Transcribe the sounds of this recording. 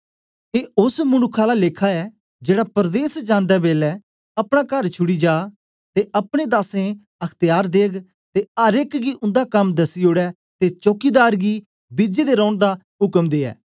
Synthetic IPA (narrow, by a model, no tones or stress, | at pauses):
eːʊsmʊnʊkʰːaːlaleːkʰaːɛː | d͡ʒeːɽapəɾd̪eːsd͡ʒãːnd̪ɛːbeːlɛː | ɐpɽ̃ãːkəɾt͡ʃʰʊɽiːd͡ʒaː | t̪eʔɐpɽ̃eːd̪aːsẽː | əkʰt̪ɪjaːɾd̪eːɡ | t̪eəɾɪkɡiːʔʊ̃nd̪aːkɐmd̪əsioːɽɛː | t̪et͡ʃoːkiːd̪aːɾɡiː | bɪd͡ʒeːd̪eːɾɔ̃ːɳd̪aː | ɦʊkəmd̪eːɛ̰ː